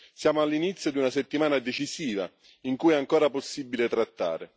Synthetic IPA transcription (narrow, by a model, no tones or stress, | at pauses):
sjaːmoalːinit̪sːjod̪iunaset̪ːimaːnad̪et͡ʃisiːva̰ | iŋkujɛaŋkoːɾaposːibːilet̪ɾat̪ːa̰ːɾe